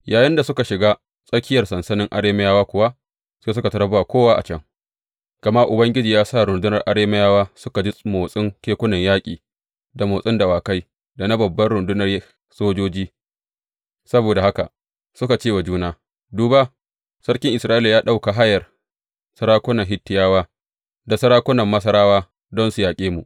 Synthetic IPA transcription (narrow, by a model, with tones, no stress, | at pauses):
jaː˨jɪ˦nda˨sʊ˦ka˨ʃɪ˨ɡaː˦ | sʼɐ˦kʲɪ˦jɐ˨rsɐ˨nsɐ˦nɪ˦ŋʔa̰˨ɽeː˦ma˦jaː˦waː˦kʷʊ˨wa˦ʔ | seː˦s̬ʊ˦ka˨tɐ˦ɾɐ˦ba˨kʷoː˦waː˦ʔa̰˨t͡ʃɐ˦ŋ | kɐ˨mɐ˦ʔʊ˨bɐ˦ŋɡʲɪ˦d͡ʒiː˨jaː˦sa˦˨ɾʊ˨ndʊ˦nɐ˨rʔa˨ɽeː˦ma˦jaː˦waː˦sʊ˦ka˨d͡ʒi˦moː˨sʼɪ˦ŋkʲeː˦kʷʊ˦nɐ˨ɲjaː˦kʲʼḭː˨ | da˨moː˨sʼɪ˦ndɐ˨waː˨ka˦j | da˨na˦bɐ˨bːɐ˦rɽʊ˨ndʊ˦nɐ˨rj | soː˦d͡ʒoː˦d͡ʒiː˦ | sɐ˦boː˨da˨ha˦ka̰˨ | sʊ˦ka˨t͡ʃeː˦˨wa˨d͡ʒuː˦naː˦ | duː˨ba˦ | sɐ˦ɽkʲɪ˦ŋʔɪ˨sɾaː˦ʔi˦la˨jaː˦ɗa˦wka˨ɦa˦jɐ˨r | sɐ˦ɾaː˦kʷʊ˦nɐ˨ŋɦɪ˦tːɪ˦jaː˦waː˦ | da˨sɐ˦ɾaː˦kʷʊ˦nɐ˨mːɐ˦s̬ɐ˦ɾaː˦waː˦ | dɔ˦nsʊ˨jaː˨kʲʼeː˦mu˨ʔ